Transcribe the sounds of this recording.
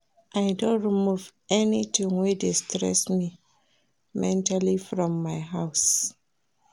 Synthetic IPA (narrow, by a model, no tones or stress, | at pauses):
ʔaɪdõnɹimuvɛnitĩŋwedestɹɛ̰smi | mɛ̃ntalifɹɔ̃mːaɪɦaʊs